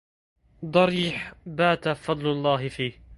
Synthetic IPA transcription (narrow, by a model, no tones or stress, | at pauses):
d̪ˤɑɾiːħbaːt̪afɑd̪ˤlʊlˤːɑːɦɪfiːh